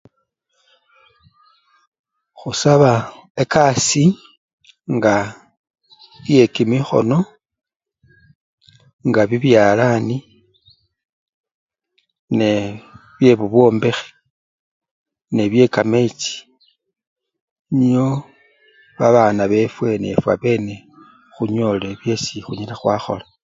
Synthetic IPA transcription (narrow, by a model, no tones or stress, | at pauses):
xusaβaekasi | ŋɡa | ije̞kimixo̞̰no̞ | ŋɡaβiβjalani | neβje̞βuβwo̞ːmbe̞xe̥ | ne̞βje̞kame̞t͡ʃi̥ | ɲio | βaβanaβe̞fwe̞ne̞̰fwa̰βe̞ne̞ | xuɲo̞le̞βje̞sixuɲilaxwaxo̞̰la